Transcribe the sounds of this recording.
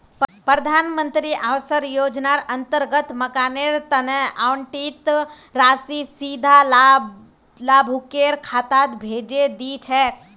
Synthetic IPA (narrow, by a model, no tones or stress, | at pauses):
ppɾəd̪ʱanmənt̪ɾiʔawsəɾjod͡ʒnaɾənt̪əɾɡət̪məkaneɾt̪ənəʔawɳʈit̪ | ɾasisid̪ʱal | labʱukeɾkʰat̪at̪bʱed͡ʒed̪it͡ʃʰɛ